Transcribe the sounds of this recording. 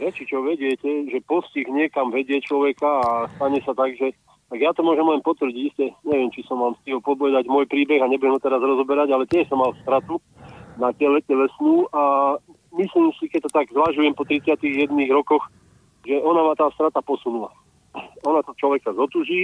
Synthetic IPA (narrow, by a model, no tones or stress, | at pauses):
ɾɛt͡ʃit͡ʃɔʋɛɟɪɛcɛʒɛpɔsciɣɲɪɛkamʋɛɟɪɛt͡ʃlɔʋɛkaːst̪aɲɛsat̪aɡʒɛ | t̪aɡjat̪ɔmʊɔʒɛmlɛnpɔt̪ʋr̩ɟiɟiscɛɲɛʋɪɛmt͡ʃisɔmːalmst̪iɦɔpɔd̪lɛd̪aɟmʊɔjpɾiːbɛɣaɲɛbujɛmɔt̪ɛɾazɾɔzɔbɛɾaɟalɛt̪jɛʃsɔmːalst̪ɾat̪u | natɛlɛcɛlɛsnuːʔa | misliːmsikɛc̚t̪ɔt̪aɡzʋaʒujɛmpɔt̪ɾit͡sɪat̪iɣjɛd̪niːɣɾɔkɔx | ʒɛʔɔnamaːt̪aːst̪ɾat̪apɔsunula̰ | ɔnat̪ɔt͡ʃlɔʋɛkazɔt̪uːʒiː